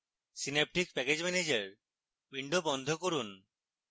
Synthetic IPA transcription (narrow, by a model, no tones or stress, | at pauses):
sinep̚ʈik̚pɛked͡ʒmɛned͡ʒeɾ | biɳɖobɔnd̪ʱokoɾun